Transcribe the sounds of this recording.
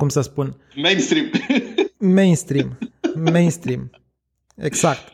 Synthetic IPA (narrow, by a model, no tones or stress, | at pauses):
kumsəspun | mejnst̪ɾim | mejnst̪ɾimmejnst̪ɾim | ḛɡz̥ak̚t̪